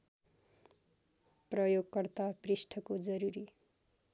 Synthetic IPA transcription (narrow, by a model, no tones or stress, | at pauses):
prʌjoɡkʌrt̪abrisʈʰʌkod͡zʌɾuɾi